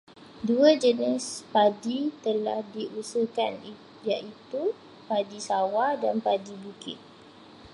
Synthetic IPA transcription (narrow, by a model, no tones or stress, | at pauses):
duəd͡ʒənɪspadit̪əla̰hdiʔusəkani | jaʔit̪u | padisawadanpadibukɪ̰t̪̚